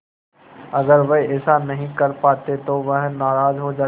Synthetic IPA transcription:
ɐɡəɾʋeɦɪsanɐɦĩkɐɾpaːt̪et̪oʋɐɦnaːɾaːzɦod͡ʒaː

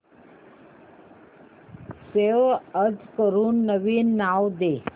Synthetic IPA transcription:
seʋəd͡zkəɾuːnːəʋiːnːawd̪e

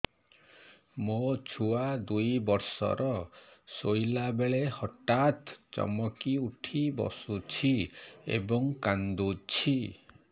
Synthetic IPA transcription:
mot͡ʃʰuad̪ujbɔɾsɔ̰ɾɔsojlabeɭehɔʈat̪t͡ʃɔ̰mɔkiuʈʰibɔ̰sut͡ʃʰiḛbɔŋkand̪ut͡ʃʰi

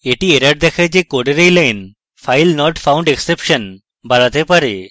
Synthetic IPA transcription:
eʈieɾaʈ̚d̪ɛkʰad͡ʒekoɽeɾejlajn | fʰajlnɔʈfʰawɳɖeksepʃən | baɽat̪epaɾe

